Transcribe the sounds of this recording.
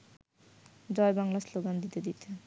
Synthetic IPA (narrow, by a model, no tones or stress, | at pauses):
d͡ʑɔebaŋlasloɡand̪it̪ed̪it̪ʰe